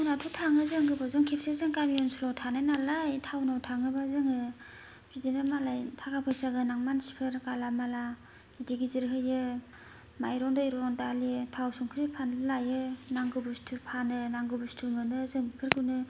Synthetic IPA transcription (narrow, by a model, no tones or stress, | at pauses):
awnatʰutʰaŋɯzɯŋɡɯbazɔŋkʰep̚sezɯŋkamiɔnsulɔtʰanajnalajtʰawnawtʰaŋɯbazɯŋɯ | bidenɯmalajtʰakapʰɯjsaɡɯnaŋmansi̥pʰɯɾkalamala | idiɡiziɾɦɯjɯ | majɾɔŋdɯjɾɔndalitʰawsɔŋkʰɯɾipʰanblajɯnaŋɡɯbustʰɯpʰanɯnaŋɡɯbustʰɯmɯnɯzɯŋpʰɯɾkʰunɯ